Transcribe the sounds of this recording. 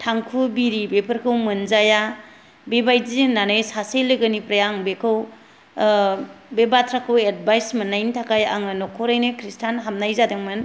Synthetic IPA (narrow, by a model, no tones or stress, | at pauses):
tʰaŋkʰubiɾibepʰɯɾkʰɯwmɯnzaja | bebajznanɯjsasejlɯɡɯnipɾajaŋbekʰɯw | bebatʰɾakʰɯwed̚bajsmɯnːajntʰakaja̰ŋɯnɔkʰɔɾajnɯkʰɾistʰanɦamnajzadɯŋmɯn